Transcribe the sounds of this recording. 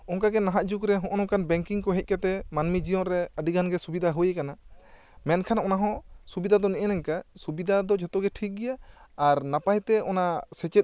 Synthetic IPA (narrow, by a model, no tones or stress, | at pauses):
ɔŋkaɡɛnaɦaʔd͡ʒukɾɛɦɔ̃ʔɔnɔ̃kanbɛŋkiŋkɔɦɛc̪̚ˀkat̪ɛmanmid͡ʒijɔnɾɛəɖiɡʱanɡɛsubid̪ʱaɦujekana | mɛnkʰanʔɔnaɦɔ̃subid̪ʱad̪ɔnɛʔɛnaŋkasubid̪ʱad̪ɔd͡ʒɔt̪ɔɡɛʈʰik̚ɡɛjaːɾnapajt̪ɛɔnasɛt͡ʃɛt̪̚